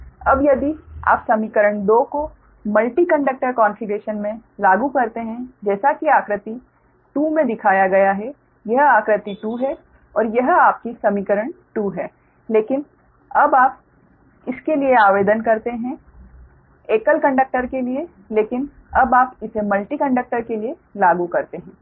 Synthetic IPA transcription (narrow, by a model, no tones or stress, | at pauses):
ɐbjɐd̪ia̰ːpsɐmiːkəɾəɳ̃d̪oːko | mɐlʈikɐ̃ɳɖək̚ʈəɾkaːnfiɡeːʃənmẽlaːɡukɐɾt̪eɦɛ̃d͡ʒɛːsakiaːkɾət̪i | ʈuːmẽd̪ɪkʰaːjaɡɐjaɦɛ | jɐɦaːkɾɪt̪iʈuːɦɛ | ɔːɾjɐɦaːp̚kisɐmiːkəɾəɳʈuːɦɛː | leːkɪn | ɐbaːp | ɪskelieaːʋeːd̪ənkɐɾt̪eɦɛ̃ | eːkəlkɐ̃ɳɖək̚ʈəɾkelie | leːkɪn | ɐbaːpɪsemɐlʈikɐ̃ɳɖək̚ʈəɾkelie | laːɡukɐɾt̪eɦɛ̃ː